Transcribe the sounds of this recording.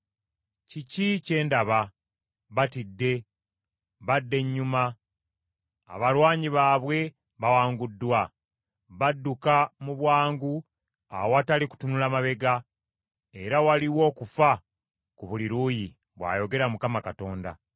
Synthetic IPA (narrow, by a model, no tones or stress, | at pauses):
cicice̞ːndaβa | βatidːe̞ | βadːe̞ɲːuma | βalwaːɲiβaːβwe̞ | βawaːŋɡudːwa | βadːukamuβwaːŋɡu | a̰woataliku̥tunulamaβe̞ɡa | e̞ɾawaliwo̞ːkufa | kuβuliɾuːji | βwa̰ːjo̞ɡe̞ɾamukamakato̞ːnda̰